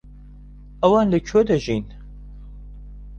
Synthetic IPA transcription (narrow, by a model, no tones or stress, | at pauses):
ɐwɑːnlɨt͡ʃʰod̪ɐʒin